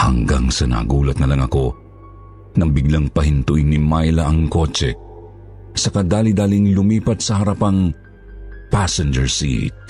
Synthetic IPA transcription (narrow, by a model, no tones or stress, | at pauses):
hɐ̰ŋɡaŋsɐna̰ːɡuːlɐt̪̚nɐlɐŋɐko̞ | nɐŋbiɡlaŋpɐhint̪ʊʔinimajlɐʔɐŋko̞t͡ʃɛ | sɐkad̪aːlid̪aːliŋlʊmiːpɐt̪sɐhɐɾɐpɐŋ | pasɛnd͡ʒɛɹsḭt̪̚